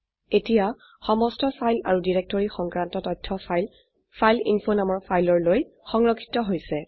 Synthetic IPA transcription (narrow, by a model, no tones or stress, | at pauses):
etija | xɔmɔstɔfajlaɹudiɹek̚tɔɹixɔŋkɹantɔtɔtʰːɔ | fʰajlinfonamɔɹpʰajlɔɹloj | xɔŋɹɔkʰːi̥tɔɦojsɛ